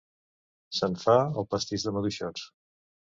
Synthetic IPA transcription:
səɱfaəlˠpəst̪iʒðəməðuʃɔt͡s

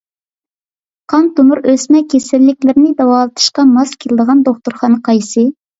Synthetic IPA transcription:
qʰɑnt̪umuɾøsmɛkʲʰesɪlːɪkʲlɪɾɪnɪd̪ɑwɑːlˠɨt̪ʰɨ̥ʃqɑmɑskʲʰelɪd̪əʁɑnd̪oχt̪uɾχɑnəqʰɑjsɨ

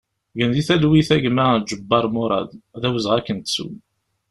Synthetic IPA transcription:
ɡənðiθælwiθæʝmæd͡ʒəbːɑɾˤmoɾˤɑ̰d̪ðæwəzʁækːənt̪sṵn

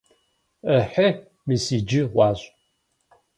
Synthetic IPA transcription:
əħə | mɨsiːd͡ʒɪʁʷɑːɕʷʼ

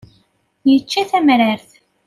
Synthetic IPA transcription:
jət͡ʃːæθæmɾaɾθ

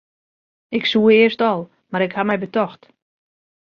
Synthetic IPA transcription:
ɪksuəɪərstɔlˠ | maɾɪkhamɛjbətɔxt

